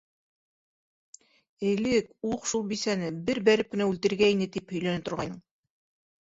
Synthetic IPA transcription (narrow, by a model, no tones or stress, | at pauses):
ɘ̆lɘkuqʃulˠbisænɘbɘɾbæɾɘp̚kɵ̆næʉlt̪ɘ̆ɾɡæinɘt̪iphɵ̆jlænɘpt̪ŏɾʁɑjnɤɴ